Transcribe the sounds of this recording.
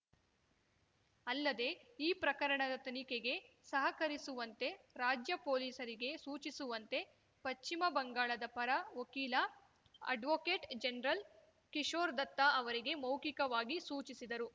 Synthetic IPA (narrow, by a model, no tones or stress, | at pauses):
ɐlːɐd̪e̞iːpɾɐkɐɾɐɳɐd̪ɐt̪ɐnikeɡe̞ | sɐɦɐkɐɾisuʋɐnt̪e̞ | ɾaːd͡ʒjɐpoːliːsɐɾiɡe̞suːt͡ʃisuʋɐnt̪e̞ | pɐt͡ʃt͡ʃimɐbɐŋɡaːɭɐd̪ɐpɐɾɐʋokiːlɐ | ɐ̰ɖʋoːkeːʈd͡ʒenɾɐl | kiʂoːɾd̪ɐt̪ːaɐʋɐɾiɡe̞mɐwkikɐʋaːɡisuːt͡ʃisid̪ɐɾu